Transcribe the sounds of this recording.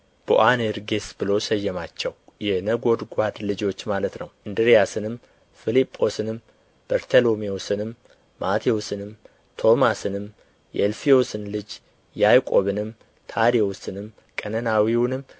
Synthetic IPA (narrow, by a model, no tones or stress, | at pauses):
b̥ɨ̰ʔaneɾɡesbɨlo̞səjːɛmat͡ʃːɛwjɛnəɡo̞d̪ɡʷad̪lɨd͡ʒo̞t͡ʃːmalət̪nəwʔɨnd̪ɨɾijasɨnɨm | filipʼːo̞sɨnɨm | b̥əɾt̪ʰəlo̞miosɨnɨmː | at̪ʰiosɨnɨm | t̪ʰo̞masɨnɨm | jɛ̰lfio̞sɨnlɨd͡ʒ | jajkʼoβɨnɨm | t̪ʰaɾiwosɨnɨm | kʼənənawiwnɨm